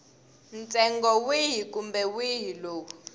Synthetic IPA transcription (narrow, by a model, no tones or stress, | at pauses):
nt͡sʼɛŋɡɔwiɦik̬ʼumbɛwiɦiloːk̬u̥